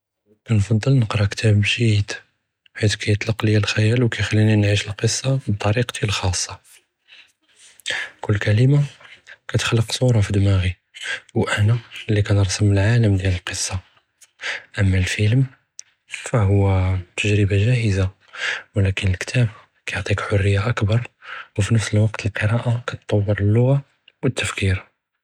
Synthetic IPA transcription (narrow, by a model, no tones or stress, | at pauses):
kænfɑd̪ˤːəlnəqɾˤɑkt̪ʰæbʃit̪ | ħit̪kæjət̪ˤlɑqləjælxæjælwkæjxælːininʕiʃəlqəsˤːɑb̚t̪ˤːɑɾiqt̪ʰilxɑsˤːɑ | kʊlːkæləmakæt̪xlːəqsˤuɾˤɑfid̪mæɣi | wʔænælːikænɾˤsəməlʕaləmd̪jæləlqəsˤːɑ | ʔəmːælfiləm | fæɦʊwːæt̪ʰəʒɾəbaʒæhəza | wlækənəlkt̪ʰæb | kæjoʕt̪ˤikħorːəjːaʔəkbɑɾˤwfinəfsəlwɑqt̪ʰəlqəɾˤɑʔakæt̪t̪ˤːɑwːəɾˤəlːʊɣa | wət̪ːəfkiɾ